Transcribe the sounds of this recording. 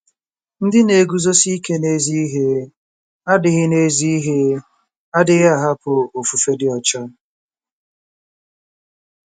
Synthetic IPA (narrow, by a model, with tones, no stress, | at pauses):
n̩˦dɪ˦ne˨ɡu˦zo˦si˦i˦ke˦ne˦zi˦i˦ɦe˦ | a˦dɪ˨ɣɪ˦ne˦zi˦i˦ɦe˦ | a˦dɪ˦ɣa˨ɦa˦pʊ˨o˨fu˨fe˦dɪ˦ɔ˨t͡ʃa˦